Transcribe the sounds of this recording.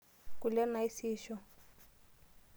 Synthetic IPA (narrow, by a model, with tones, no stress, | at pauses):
ku˨lɛ˦na˨i˦siːʃɔ˦